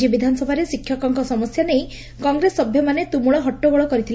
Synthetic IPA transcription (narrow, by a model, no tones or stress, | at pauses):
ibid̪ʱanɔsɔbʱaɾesikʰːjɔkɔŋkɔsɔmɔsjanej | kɔŋɡɾesɔbʱjɔmanet̪umuɭɔɦɔʈːɔɡɔɭɔkɔɾit̪ʰil